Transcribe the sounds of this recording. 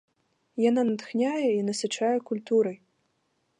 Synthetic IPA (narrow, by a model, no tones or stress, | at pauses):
jananɐt̪xnʲajɛinɐsɨt͡ʂajɛkulʲt̪uɾɐj